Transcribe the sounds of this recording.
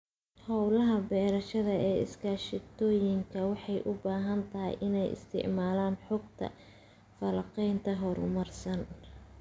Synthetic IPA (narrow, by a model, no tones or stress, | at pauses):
hɔwlɐɦɐbɛːɾɐʃɐðɐɛːɪ̰skʰaːʃɪt̪ʰɔːjɪŋkʰɐwɑħɑjʔʊbaːɦɐnt̪ʰɐɦɪ̰jʔɪnɛjɪ̰st̪ʰɪ̰ʕmaːlaːnħʊɡt̪ʰɐ̰ | fɐlɐqɛjnt̪ʰɐɦɔɾʊ̰mɐrsɐn